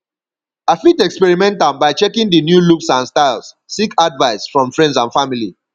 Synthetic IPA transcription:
afitɛkspɛɹimɛ̃ntãmbaɪt͡ʃɛkĩŋdinjuluksãnstaɪls | sikʰadvaɪsfɹɔ̃mfɹɛ̃ndsãnfamili

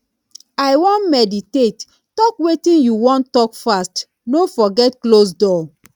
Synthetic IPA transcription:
ajwɔ̃nmɛditetː | ɔkwetĩnjuwɔ̃ntːɔkfast | nofɔɡɛtklos̬dɔ

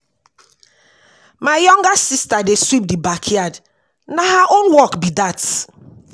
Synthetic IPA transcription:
maɪjɔ̃ŋɡasistadeswip̚dibakʰjad | naɦaʔonwɔkbidat

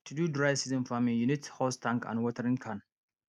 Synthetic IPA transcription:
t̪ʰududɾajsizənfamĩŋjunit̪hɔst̪ʰãŋkã̰nwɔt̪ʰəɾĩnkʰan

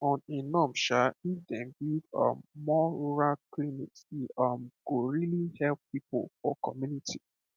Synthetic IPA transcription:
ɔ̃ninɔ̃mʃaifdɛ̃nbiʌ̰mːɔɹuɹalklimḭtiʌmɡ̥oɹilihɛlppipo̰lfɔ̰kɔmjunitʰi

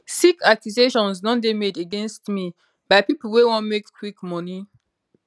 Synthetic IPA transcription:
sikakjuzeʃɔ̃nsnɔ̃ndemedəɡɛ̃nstmi | b̥aɪpipəl̩ˠwewɔ̃nmekkʰwikmɔni

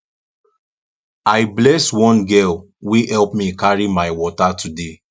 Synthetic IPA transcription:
aɪblɛswɔ̃nɡɛl | wehɛlpmĩkaɹimaɪwɔtatʰude

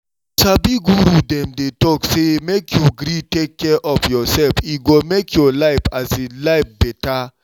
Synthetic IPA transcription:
tabiɡuɾudɛ̃mdetɔksemekʰjuɡɾitekːɛʔɔfjɔsɛlfiɡɔmekʰjɔlaɪfazelaɪp̚bɛta

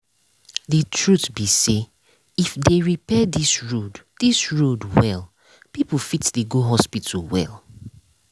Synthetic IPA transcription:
dətʰɹutbise | ifdeɹipɛdisɹoddisɹodwɛl | pipl̩fitdəɡoɦɔspitʰəl̩wɛ̰lˠ

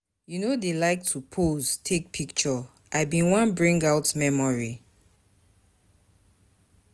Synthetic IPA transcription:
junodelaɪk̚tʰupʰoztʰek̚pʰikt͡ʃɔ | ʔaɪbĩnwãnbɹĩŋɡawtmɛmɔɹi

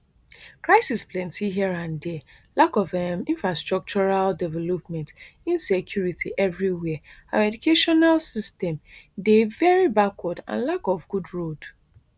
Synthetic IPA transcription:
kɹaɪsisplɛ̃ntʰiɦiɛɹãndelakɔvĩnfɹastɹɔk̚t͡ʃɔɹaldɛvɛlɔpmɛ̃ntĩnsekʰjuɹitʰiʔɛvɹiwɛa̰ɛdukʰeʃɔnalsistɛ̃mdevɛɹibakwɔdã̰nlakɔvɡudɹod

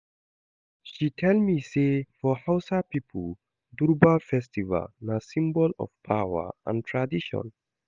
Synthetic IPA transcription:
ʃitʰɛlmisefɔhawsapipʰu | duɹbafɛstiva̰lnasĩmbɔlɔ̰fpʰawə̰ã̰ntʰɹadiʃɔ̰̃n

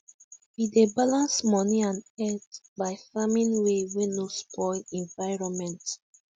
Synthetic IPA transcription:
widebalãnsmɔniãnɛtbaɪfamĩnwewinospʰɔɪlɛ̃ɱvaɪɹɔ̃nmɛ̃nt

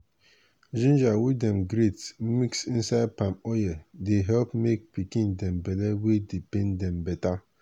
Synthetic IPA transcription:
d͡ʒĩnd͡ʒawidɛmɡɾet̩miksin̩saɪd̚pamɔjɛdeɦɛlpmek̚pikĩndɛ̃mbɛlɛwedipɛ̃ndɛ̃m̩bɛta

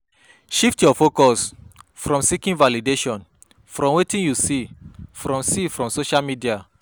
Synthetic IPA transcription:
ʃiftjɔfokɔsfɾɔ̃msikĩnvalideʃɔ̃n | fɾɔ̃mwetĩnjusifɾɔ̃msifɾɔ̃msoʃalmidia

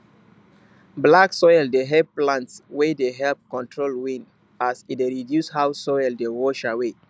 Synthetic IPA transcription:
blaksɔjldeɦɛplãntswedeɦɛlp̚kɔ̃ntʰɹolwĩn | asideɹidjushawsɔjldewɔʃawe

